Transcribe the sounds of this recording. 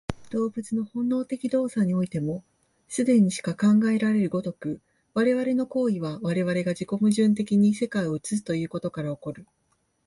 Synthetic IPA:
d̪̥o̞ːbɯ̟t͡sɨno̞hõ̞nːo̞ːt̪e̞kʲid̪o̞ːsaɲ̟io̞it̪e̞mo̞ | sɨd̪e̞ɲ̟iɕi̥kakãŋɡae̞ɾaɾe̞ɾɯ̟ɡo̞t̪o̞kɯ̟ | βaɾe̞βaɾe̞no̞ko̞ːiβ̞aβaɾe̞β̞aɾe̞ɡad͡ʑiko̞mɯ̟ʑɨ̃nt̪e̞kʲiɲ̟ise̞kaio̞ɯt͡sɨsɨ̥t̪o̞jɯ̟ːko̞t̪o̞kaɾao̞ko̞ɾɯ̟

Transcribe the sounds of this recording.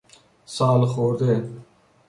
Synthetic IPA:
saːlxoːɾd̪eː

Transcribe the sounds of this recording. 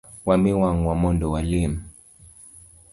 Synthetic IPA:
wamiwaŋwamɔndɔwalim̩

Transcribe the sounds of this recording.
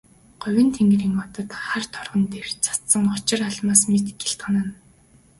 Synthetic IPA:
ɢ̥ʊ̟wʲɪ̆nt̪ʰeŋɡriːŋɔt̪ɞ̆t̪χart̪ʰɔrʁɞ̆nt̪er̥t͡sʰḁt̪sə̆ŋɔt͡ɕɪ̆raɮmaːsmet̪ɡeɬt̪χənăn

